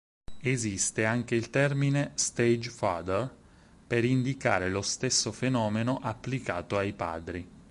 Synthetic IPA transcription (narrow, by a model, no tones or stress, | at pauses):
ezist̪eaŋk̟eilt̪ɛrminest̪ed͡ʒfad̪er | peɾind̪ika̰ːɾelost̪esːofenɔːmenoʔapːlikaːt̪oajpa̰ːd̪ɾi